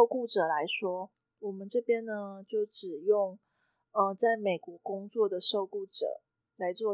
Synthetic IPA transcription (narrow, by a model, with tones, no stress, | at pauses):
ʊku˥˩ʈ͡ʂɤ˨˩la˧˦˥ɪʂwɔ˥ | wɔ˨˩mə˦nʈ͡ʂɤ˥˩pjɛ˥nə˨t͡ɕjo˥˩ʊʈ͡ʂɻ̩˨˩jʊ˥˩ŋ | ə˧t͡sa˥˩ɪme˨˩ɪkwɔ˧˥kʊ˥ŋt͡swɔ˥˩d̪ə˩ʂo˥˧ʊku˥˩ʈ͡ʂɤ̰˨˩˦ | la˧˥ɪt͡swɔ˥˧